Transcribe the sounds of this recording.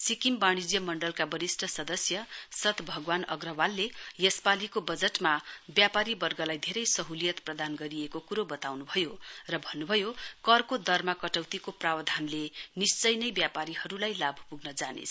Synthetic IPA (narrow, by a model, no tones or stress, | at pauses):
sikimbaɽ̃id͡zjʌmʌɳɖʌlkabʌɾisʈʰʌsʌd̪ʌsjʌsʌt̪bʱʌɡwanʌɡrʌwalːejʌspalikobʌd͡zeʈmabjapaɾibʌrɡʌlajd̪ʱeɾʌjsʌɦulijʌt̪prʌd̪anɡʌɾiekokuɾobʌt̪awnubʱʌjorʌbʱʌnːubʱʌjokʌrkod̪ʌrmakʌʈʌwt̪ikoprawʌd̪ʱanlenist͡sʌjnʌjbjapaɾihʌɾulajlabʱpuɡnʌd͡zanḛt͡sʰ